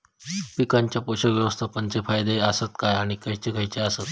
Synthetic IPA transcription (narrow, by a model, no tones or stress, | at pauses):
pikaɲt͡ɕjapoɕəʋjəʋəst̪ʰapəɲt͡sefajd̪eəsət̪kajaɽ̃ikəɦjt͡ɕekəjt͡ɕeasət̪